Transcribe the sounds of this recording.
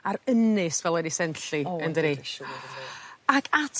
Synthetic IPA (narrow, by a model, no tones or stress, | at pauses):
aɾənɨsvɛlˠɛdisɛnɬiəndəɾi | akʰatʰ